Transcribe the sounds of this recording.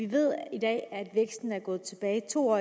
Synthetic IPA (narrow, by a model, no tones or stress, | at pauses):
iʋe̝ð̰ˠid̥ɛ̰ːæd̥ʋeɡ̥sd̥n̩æɐɡ̥ɔ̽ːð̩ˠt͡sʰe̝b̥ɛːɪt͡sʰo̝̰ːɒ